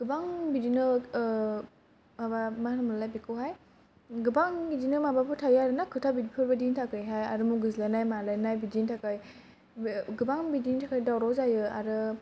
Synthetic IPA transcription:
ɡ̥ɯbaŋbidinɯ | mabamanamlalajbikʰɯwɦaj | ɡɯbaŋbidinɯmabapʰɯtʰajaɾɯnakʰɯtʰabidipʰɯɾbadintʰakɯjɦajaɾɯmuɡɯzilanajmalajnajbidintʰakaj | ɡɯbaŋbidintʰakajdawɾawzajɯa̰ɾɯ

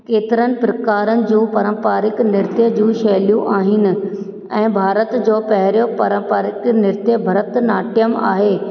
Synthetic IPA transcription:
keːt̪ɪɾənɪ̆pɾɐkaːɾənɪ̆d͡ʑũːpɐɾə̃mpaːɾɪknɪɾt̪jəd͡ʑũːʃɐːlijũʔaːɦɪnɪ̆ | ɛ̃ːbʱaːɾət̪d͡ʑoːpɐɦɪɾijopɐɾə̃mpaːɾɪknɪɾt̪jəbʱɐɾət̪naːʈɪjəma̰ːɦeː

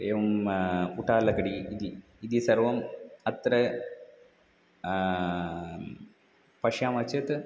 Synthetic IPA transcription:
eːʋɐmuʈːaːlːɐkɐɽiːd̪iː | d̪isɐrʋɐmɐt̪ɾɐ | pɐʂjaːmɐt͡ɕːɐt̪ɨ

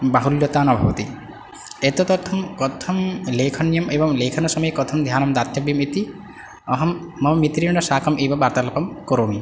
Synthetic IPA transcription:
baɦuljɔt̪aːnɔbʱabɔt̪i | et̪ot̪ɔt̪ʰɔmkɔt̪ʰɔmleːkʰɔnːijɔmebɔmleːkʰɔnɔsɔmɔjekɔt̪ʰɔmd̪ʱjaːnɔmd̪at̪jɐbimit̪i | ɔɦɔmːɔmmit̪ɾiɳɖɔsaːkɔmʔebɔbaɾt̪alɔpɔmkoɾomi

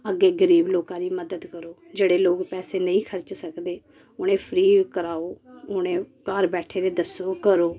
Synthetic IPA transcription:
əɡeːɡəɾiːbloːkãːɾiːməd̪əd̪kəɾoːd͡ʒeːɽeːloːɡpɛːseːnəĩːkʰəɾt͡ʃsəkd̪eː | ʊnẽːpʰəɾiːkəɾaːoːʊnẽːkəɾbɛːʈʰeːɾeːd̪əsoːkəɾoː

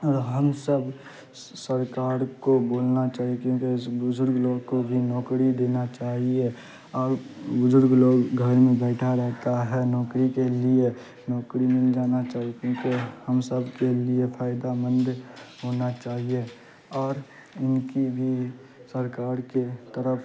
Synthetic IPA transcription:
ɔːɾɦəmsəb | səɾkaːɾkoboːlnat͡ʃaːɦiekjõːkesbʊd͡ʒʊɾɡloːɡkobʱinɔːkɾid̪eːnat͡ʃaːɦie | ɔːɾbʊd͡ʒʊɾɡloːɡɡʱəɾmẽbɛːʈʰaɾɛɦt̪aɦɛnɔːkɾikelie | nɔːkɾimɪld͡ʒaːnat͡ʃaːɦiekjõːkehəmsəbkeliepʰaːɪd̪amə̃nd̪ɦonat͡ʃaːɦie | ɔːɾ | ɪnkibʱi | səɾkaːɾket̪əɾəpʰ

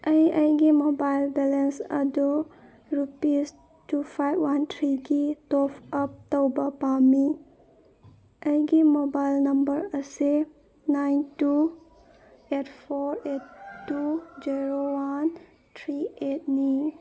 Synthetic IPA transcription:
ɐjɐjɡimobajlbɛlensɐ̰du | ɾupis | tupʰajbwantʰɾiɡitopʰɐp̚təwbɐpami | ɐjɡimobajlnɐmbəɾɐse | najntu | etʰpʰoɾetːud͡ʒiɾowan | tʰɾiet̚ni

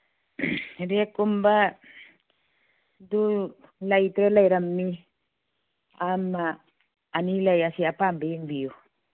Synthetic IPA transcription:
ɾekːumba | du | lajt̪ɾelajɾamːi | amaː | nilajasiapambajeŋbiju

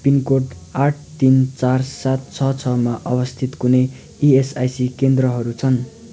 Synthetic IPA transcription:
pinkoʈaʈʰt̪int͡sarsat̪̚t͡sʰʌt͡sʰʌmaʔʌbʌst̪ʰit̪kune | iesajsikend̪rʌɦʌɾut͡sʰʌn

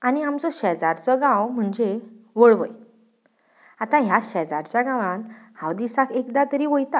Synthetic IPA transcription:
aniamt͡sɔɕɛd͡zaɾt͡sɔɡãwm̤əɳd͡zeʋɔɭʋəj | at̪ãɦjaɕɛd͡zaɾt͡ɕjaɡãʋãnhawd̪isakekd̪at̪əɾiʋojt̪a

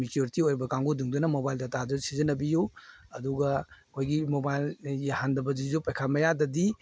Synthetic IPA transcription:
mikjuɾitiojɾbɐkaŋɡoduŋdɐnɐmobajldɐtazusizɐnɐbijuɐduɡɐkʰojɡimobajljahandɐbɐd͡ʒizupajkʰamɐjadɐdi

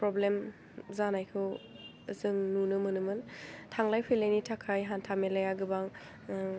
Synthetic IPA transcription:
pɾɔblem | zanajkʰɯw | zɯŋnunɯmɯnɯmɯntʰaŋlajpʰɯjlejnitʰakʰajɦantʰamelajaɡɯbaŋ

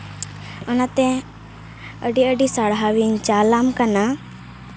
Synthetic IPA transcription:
ənat̪ɛ̃ | əɖiəɖisaɽɦaʋint͡ʃaːlamkana

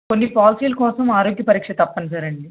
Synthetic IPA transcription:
konːipaːlsiːlɐkɔːsɐmaːɾoːɡjɐpɐɾiːkʂɐt̪ɐpːɐnsaːɾɐɳɖi

